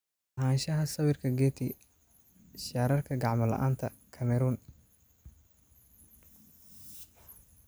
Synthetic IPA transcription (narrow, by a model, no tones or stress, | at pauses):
ɦaːnʃɐɦɐsɐβɪrkʰɐɡɛːt̪ʰɪ | ʃaːɾɐrkʰɐɡɑʕmɐlɐ̰ʔaːnt̪ʰɐkʰɐmɛɾuːn